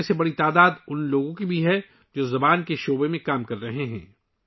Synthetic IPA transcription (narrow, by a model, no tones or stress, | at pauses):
sebɐɽit̪aːd̪aːd̪ʊnloːɡõkibʱiɦɛ | d͡ʒoːzɐbaːnkeʃoːbemẽkaːmkɐɾːɐɦeɦɛ̰̃ː